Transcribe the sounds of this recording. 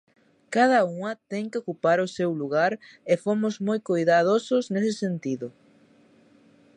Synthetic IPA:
kaðɐuŋɐt̪ɛŋkɪokupaɾʊsewluɣaɾefomʊzmojkojðaðosoznesɪsent̪iðʊ

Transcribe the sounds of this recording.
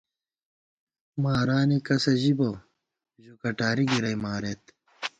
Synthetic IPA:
maːɾaːnikɐsɐʑibo | ʑukɐʈaːɾiɡiɾɐjmaːɾet̪

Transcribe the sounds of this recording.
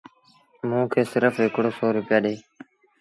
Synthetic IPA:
mũːkʰeːsɪɾəfɦɪkɽoːsɔːɾʊpɪjaːɗeː

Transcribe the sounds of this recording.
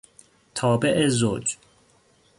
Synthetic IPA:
t̪ʰɒːbeʔezod͡ʒ

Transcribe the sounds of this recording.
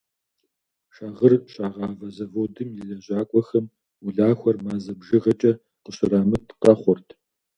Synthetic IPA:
ʂaːʁərɕʼaːʁɑːvɐzɐvoːdɨmjɪɮɐʑaːkʷʼɔxɐm | ʊɮaːxʷɔrmaːzɐbʒɪʁɐt͡ʃʼɐ | qəɕɪɾaːmɨtʰqɐχʷɔrtʰ

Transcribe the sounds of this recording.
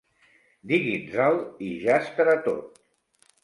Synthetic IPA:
d̪iɣinzaliʒast̪əɾat̪o̰t̪̚

